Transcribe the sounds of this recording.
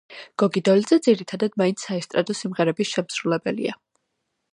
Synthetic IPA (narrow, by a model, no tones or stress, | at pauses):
ɡ̥ɔɡid̪ɔlid̪zɛd̪ziɾit̪ʰad̪ad̪maint̪sʰaɛst̪ʼɾad̪ɔsimʁɛɾɛbisʃɛmsɾulɛbɛlḭa